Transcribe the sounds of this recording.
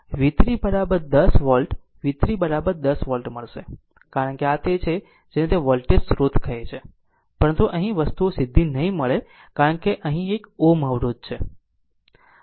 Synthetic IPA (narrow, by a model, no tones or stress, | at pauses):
ʋit̪ɾibəɾabəɾd̪əsʋɔlʈ | ʋit̪ɾibəɾabəɾd̪əsʋɔlʈməɭʃe | kaɾəɳkeat̪et͡ʃʰe | d͡ʒenet̪eʋɔlʈesɾot̪ʰkʰəet͡ʃʰe | pəɾənt̪uʔəɦĩʋəst̪uosɪd̪ʱːinəɦĩməɭe | kaɾəɳkeʔəɦĩekoməʋɾod̪̚t͡ʃʰe